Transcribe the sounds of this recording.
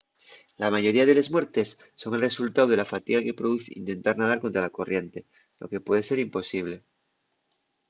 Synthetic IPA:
lamaʝo̞ɾiaðe̞lezmwe̞ɾt̪e̞sːo̞ŋe̞lre̞sult̪awð̞e̞lafat̪iɣake̞pɾoðuθeḭnt̪e̞nt̪aɾnað̞aɾko̞nt̪ɾalako̞rje̞nt̪e̞ | lo̞̰ke̞pwe̞ð̞e̞se̞ɾimpo̞siβ̞le̞

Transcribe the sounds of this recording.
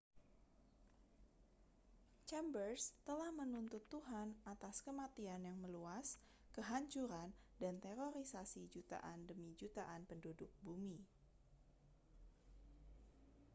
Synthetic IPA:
t͡ʃɛmbərst̪əlahmənunt̪ʊt̪ːuɦanat̪askəmat̪ianjaŋməluas | kəɦaɲt͡ʃuɾandant̪eɾoɾisasid͡ʒut̪a̰ʔandəmid͡ʒut̪aʔanpəndudʊk̚bumi

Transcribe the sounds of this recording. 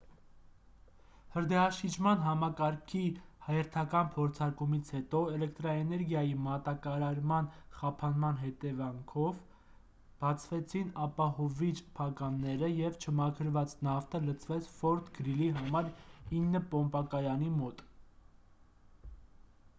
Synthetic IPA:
həɾd̪ɛɑʃid͡ʒʰmɑnɦɑmɑkɑɾkʰihɑjɛɾt̪ʰɑkɑnpʰɔɾt͡sʰɑɾkumit͡sʰhɛt̪ɔɛlɛk̚t̪ɾɑɛnɛɾɡjɑjimɑt̪ɑkɑɾɑɾmɑnχɑpʰɑnmɑn̪ɦɛt̪ɛvɑŋkʰɔv | b̥ɑt͡sʰvɛt͡sʰinɑpɑhɔvit͡ʃpʰɑkɑnːɛɾəjɛvt͡ʃʰəmɑkʰəɾvɑt͡snɑft̪ʰələt͡sʰvɛt͡sʰfɔɾt̪ʰɡəɾiliɦɑmɑɾinːəpɔmpɑkɑjɑnimɔt̪

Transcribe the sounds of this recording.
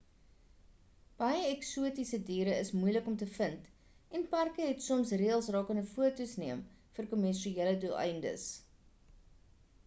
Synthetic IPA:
b̥ɐjəɛksuətisədiːɾəəsmujləkɔmtəfənt | ɛnpærkəɦɛtsɔmsriəlˠsrɑːkənəfuətusniəm | fərkɔmɛnʃieələdulɛ̰jndə̰s

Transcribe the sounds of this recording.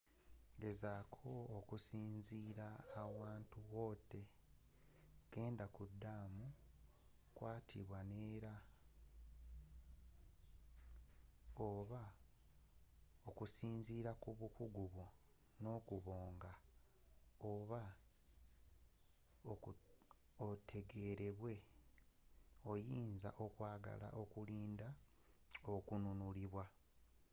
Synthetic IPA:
ɡe̞zaːkʰo̞ːkusiːnziːɾaːwaːntuwo̞ːte̞ | ɡ̥e̞ːndakudːamu | kwaːtʰḭβwane̞ːɾa | oβa | okusiːnziːɾakuβukuɡuβo | no̞kuβo̞ːŋɡa | oβa | o | otʰe̞ɡe̞ɾe̞βwe̞ | o̞jiːnzaʔo̞kwaːɡa̰la̰ʔo̞kuliːnda | okununuliβwa

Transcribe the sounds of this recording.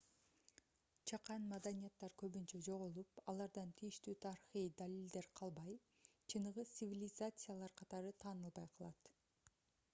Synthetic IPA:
t͡ʃʰɑqɑnmad̪anʲijat̪ːɑɾkøβynt͡ʃød͡ʒo̞ʁolˠupɑlˠɑɾd̪ɑnt̪ʰijiʃt̪yːt̪ʰɑɾiχijd̪alʲilʲd̪e̞ɾqʰɑlˠbɑj | t͡ʃʰɯnɯʁɯt̪sɨvʲilʲɪzat̪sɨjalˠɑɾqʰɑt̪ɑɾɯt̪ʰɑːnɯlˠbɑjqʰɑlˠɑt̪

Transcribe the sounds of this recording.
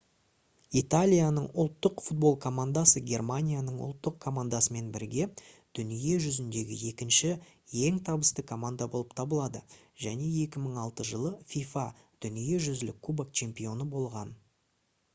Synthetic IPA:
it̪alʲijanəɴʊ̰lˠt̪ːəqfut̪̚bo̞lˠkʰo̞mand̪asəɡʲe̞rmanʲijanəɴʊ̰lˠt̪ːəqkʰo̞mand̪asəme̞nbɪɾɡʲe̞ | d̪̥ʏnije̞ʒʏzɪnd̪e̞ɡʲɪ̰je̞kʲɪnʃɪ | je̞ŋt̪ʰɑbəst̪əkʰo̞mand̪abo̞lˠəpt̪ʰɑbəlˠɑd̪ə | ʒ̥æne̞je̞kʲɪməɴɑlˠt̪əʒəlˠəfʲifa | d̪̥ʏnije̞ʒʏzlɪ̰kʰːubak̚t͡ʃʰe̞mpijo̞nəbo̞lˠʁɑn

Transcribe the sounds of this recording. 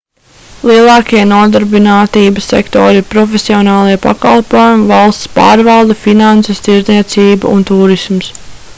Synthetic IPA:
lˠiɛlˠɑːkiɛnuɔd̪aɾbinaːt̪iːbəsːḛkt̪ɔ̰ːɾipɾɔfesiɔnɑːlˠiɛpa̰kɑlˠpoɔjumvɑlˠst̪spɑ̰ːɾvɑlˠd̪ɐfinansest̪iɾzniɛt̪siːbṵṵnt̪uːɾisms

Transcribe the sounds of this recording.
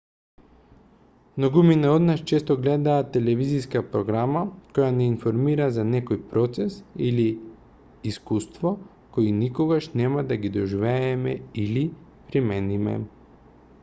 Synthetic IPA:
mnoɡuminaɔd̪naʃt͡ʃɛst̪ɔɡlɛd̪aːt̪ɛlɛviziskapɾɔɡɾamakɔjanɛinfoɾmiɾazanɛkojpɾɔt̪sɛsiliː | skust̪vɔ | koinikoɡaʃnɛmad̪aɡid̪ɔʒivɛːmɛili | pɾimɛnimɛ̰

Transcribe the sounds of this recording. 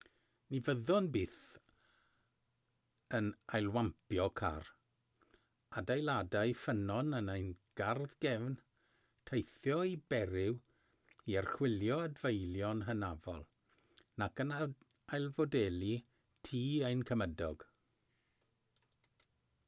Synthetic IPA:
nivəðɔnbɪːθ | ənajlˠwampʰjɔkʰa̰r | adajlˠadaɨfənɔnənejnɡ̥arðɡɛvn | tʰejθjɔibɛɾɪw | iərχwɪljɔadvejlˠjɔnɦənavɔ̰lˠ | nakəna | ajlˠvɔdɛːlˠi | tʰiːejnkʰəmədɔɡ̥

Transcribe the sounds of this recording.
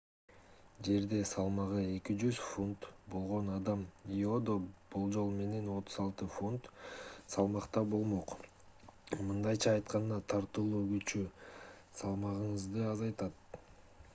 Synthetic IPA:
d͡ʒe̞ɾd̪e̞sɑlˠmɑʁɯe̞kid͡ʒyzfont̪bo̞lˠʁo̞nɑd̪ɑmio̞d̪o̞b̥ulˠd͡ʒo̞lˠme̞ne̞no̞t̪ʰuzɑlˠt̪ɯfont̪sɑlˠmɑqt̪ɑbo̞lˠmo̞q | mɯnd̪ɑjt͡ʃʰɑːjt̪qɑnd̪ɑt̪ʰɑɾt̪ulˠuːɡyt͡ʃy | sɑlˠmɑʁɯɴɯzd̪ɯɑzɑjt̪ɑt̪̚

